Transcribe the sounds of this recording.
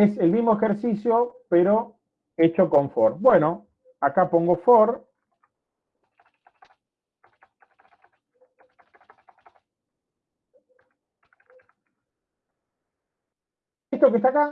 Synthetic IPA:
eselmizmoexeɾsisjopeɾo | et͡ʃokoɱfoɾbweno | akapo̞ŋɡofoɾ | est̪okest̪aka

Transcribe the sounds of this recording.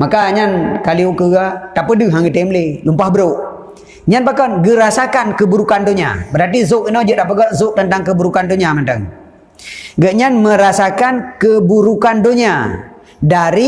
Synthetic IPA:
makaɲankaliukəɡat̪apədəɦaŋət̪emlelumpahbəɾoʔ | ɲanbakɔnɡəɾasakankəbuɾukandoɲa̰bəɾart̪izʊkinod͡ʒəʔt̪apəɡaʔzʊʔ̚t̪ənt̪aŋkəbuɾukandoɲamənt̪ə̰ŋ | ɡəʔɲanməɾasakankəbuɾukandoɲa | daɾi

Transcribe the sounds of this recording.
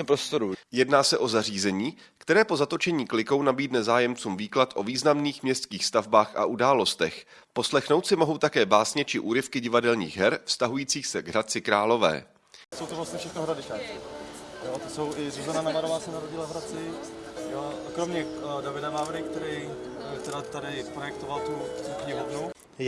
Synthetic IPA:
pɾost̪oɾujɛdnaːsɛʔo̞zariːzɛɲiː | kt̪ɛɾɛːpo̞zat̪o̞t͡ʃɛɲiːklɪko̞wnabiːdnɛzaːjɛmt͡suːmviːklat̪ʔo̞viːznamniːxmɲɛst̪skiːxst̪avbaːxʔa̰ʔudaːlo̞st̪ɛx | po̞slɛxnowt̪sɪmo̞ɦo̞wt̪akɛːbaːsɲɛt͡ʃɪʔuːɾɪfkɪɟɪvadɛlɲḭːɣɦɛɾfst̪aɦujiːt͡siːxsɛɡɦɾat͡sɪkɾaːlo̞vɛ̰ː | so̞wt̪ovlast̪ɲɛfʃɛxnoɦɾadɪkaːk | jot̪osowʔɪzuzananamaɾovaːsɛnaɾoɟɪlavɦɾat͡sɪ | joʔakɾomɲɛdavɪdavaːvɾɪkt̪ɛɾiː | t̪ɛdat̪adɪpɾojɛk̚t̪ovalt̪uukɲɪɦovnu

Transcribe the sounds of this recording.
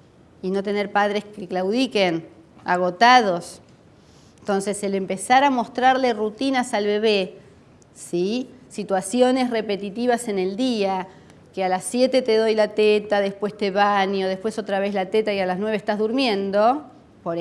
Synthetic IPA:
ino̞t̪e̞neɾpaðɾeskeklawðikenaɣ̞o̞t̪að̞os | nt̪o̞nse̞selempesaɾamo̞st̪ɾaɾlerut̪inasalβe̞βe | sisit̪wasjo̞ne̞sre̞pe̞t̪it̪iβase̞ne̞ld̪ia | kealasːje̞t̪e̞t̪eðojlat̪et̪aðespwe̞st̪eβanjo̞ð̞epwe̞so̞t̪ɾaβ̞e̞zlat̪et̪aialaznwe̞βest̪aɦzðuɾmjẽ̞nd̪o̞ | poɾ

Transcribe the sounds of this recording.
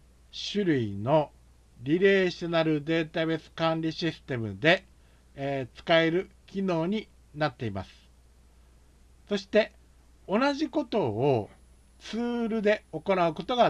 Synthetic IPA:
ɕɨɾɯ̟ino̞ | ɾʲiɾe̞ːɕi̥t̪enaɾɯ̟d̪e̞ːt̪abe̞sɨ̥kãnɾʲiɕisɨ̥t̪e̞mɯ̟d̪e̞ | t͡sɨ̥kae̞ɾɯ̟kʲino̞ːɲ̟i | nat̪ːe̞ima̰sɨ̥ | so̞ɕi̥t̪e̞ | o̞naʑiko̞t̪o̞ː | t͡sɨːɾɯ̟d̪e̞o̞ko̞naɯ̟ko̞t̪o̞ɡa

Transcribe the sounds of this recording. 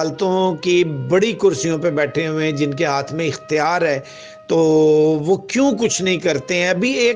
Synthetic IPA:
lt̪õkibɐɽikʊɾsijõpebɛːʈʰeɦʊẽd͡ʒɪnkeɦaːt̪ʰmẽɪxt̪ɪjaːɾɦɛː | t̪oːʋoːkjũːk̬ʊt͡ʃʰnɐɦĩkɐɾt̪eɦɛ̃ɐbʱieː

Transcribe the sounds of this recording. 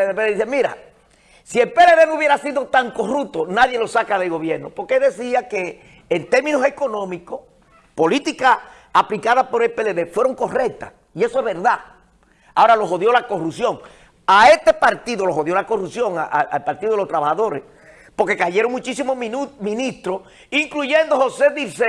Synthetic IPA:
eðepeððisemiɾa̰ | sie̞lpe̞le̞ðe̞nouβje̞ɾasiðo̞t̪aŋko̞rup̚t̪onaðje̞lo̞sakaðe̞lɣo̞βje̞ɾnopo̞ɾkeelðe̞siakeː | nt̪e̞ɾmĩno̞se̞ko̞nõ̞mikoh | po̞lit̪ikaː | plikaðapo̞ɾe̞lpeleðefwe̞ɾo̞ŋko̞rek̚t̪as | ie̞soeɦβe̞ɾða | ao̞ɾalo̞ɦo̞ðjo̞lako̞rupsjo̞ŋ | ae̞st̪e̞paɾt̪iðo̞lo̞ɦo̞ðjo̞lako̞rupsjo̞ŋaʔa̰alpaɾt̪iðoelot̪ɾaβahaðo̞ɾḛs | po̞ɾke̞kaʝe̞ɾo̞ŋmut͡ʃisimomĩnist̪ɾos | iŋkluʝẽ̞nd̪o̞ho̞se̞ðise

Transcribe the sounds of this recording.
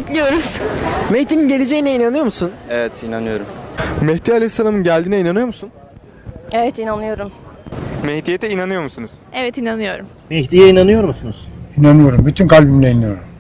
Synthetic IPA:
ɛclʲijo̞ɾuz̥mɛçt̪iːninɟe̞lʲed͡ʒejinɛinanɯjo̞ɾmusunevɛt̪inanɯjo̞ɾummɛçt̪iːalʲejisːalˠamɯnɟælʲd̪iːnɛinanɯjo̞musun | evɛt̪inanlːˠɯjo̞ɾum | mɛht̪ijet̪ʰɛinanɯjo̞ɾmusunuz̥ɛvɛt̪inanɯjo̞ɾum | mɛçt̪ijɛinanɯjo̞ɾmusunuz̥inanɯjo̞ɾumbyt̪ʰynkʰalʲbimlɛinɯjo̞ɾum

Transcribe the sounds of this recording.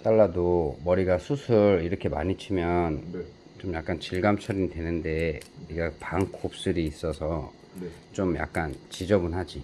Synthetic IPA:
t͈aɭːadomʌɾiɡasʰusʰɯɾiɾʌkʰe̞ma̰ɲit͡ɕʰimjʌn | t͡ɕomjak̚k͈ant͡ɕiɭɡamt͡ɕʰʌɾinidwe̞nɯnde̞iɡapaŋkʰop̚s͈ɯɾiːs͈ʌsʰʌ | t͡ɕomja̰k̚k͈ant͡ɕid͡ʑʌbɯnɦad͡ʑi

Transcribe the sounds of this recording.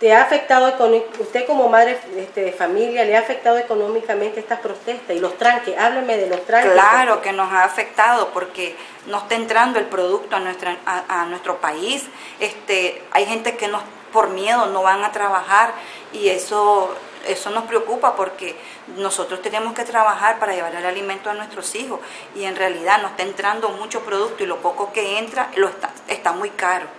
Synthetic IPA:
t̪eaːfe̞k̚t̪aðoekonust̪eko̞mo̞maðɾeest̪eðefamiljaleaːfe̞k̚t̪aðoeko̞nomikament̪eest̪aspɾo̞t̪e̞st̪asilo̞st̪ɾaŋkesaβlemeðelost̪ɾaŋklaɾoke̞no̞saːfe̞k̚t̪aðo̞po̞ɾke̞ | noest̪aent̪ɾand̪oe̞lpɾo̞ðuk̚t̪oanwest̪ɾaanwe̞st̪ɾo̞pais | e̞st̪eajxe̞nt̪e̞ke̞nos | po̞ɾmje̞ð̞o̞no̞βaŋat̪ɾaβaxaɾ | ie̞so | eso̞no̞spɾeokupapo̞ɾke̞ | no̞so̞t̪ɾo̞st̪ene̞mo̞ske̞t̪ɾaβaxaɾpaɾaʝe̞β̞aɾalalimẽ̞nt̪oanwe̞st̪ɾo̞sixo̞s | ie̞nrealiðanoest̪aent̪ɾand̪o̞mut͡ʃo̞pɾo̞ð̞uk̚t̪oilo̞po̞ko̞ke̞e̞nt̪ɾalost̪aest̪amujkaɾo̞

